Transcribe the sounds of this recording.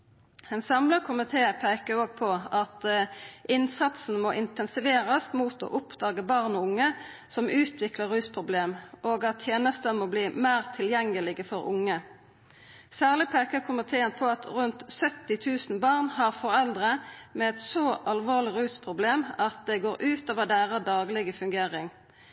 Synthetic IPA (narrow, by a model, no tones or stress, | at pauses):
ɛnsɑmləkʰʊmɪt̪ʰeːpʰeːkəʁoːɡ̚pʰɔɑt̪ʔɪnsɑt̪sn̩moːʔɪnt̪ɛnsɪʋeːʁəst̪muːt̪o̰ːʔʊpd̪ɑːɡəbɑʁnɔʊŋːə | sɔmʔʉːt̪ʰʋɪkləʁʉːspʰʁʊbleːmʔoːɡɑt̪ːʰjeːnəst̪əmoːbliːmæːʁt̪ʰɪljɛŋːəlɪɡəfɔʁʊ̰ŋːə | sæːʁlɪpʰeːkəʁkʰʊmɪt̪ʰeːənpʰɔɑt̪ʰʁʉnt̪sœt̪ːɪt̪ʰʉːsn̩bɑʁnhɑʁfɔʁɛld̪ʁəmɛɛt̪sɔʔɑlʋoːʁlɪʁʉːspʰʁʊbleːmɑt̪̚d̪ɛɡoːʁʔʉːt̪oːʋəd̪æːʁəd̪ɑːɡlɪɡəfʉŋɡeːʁɪŋ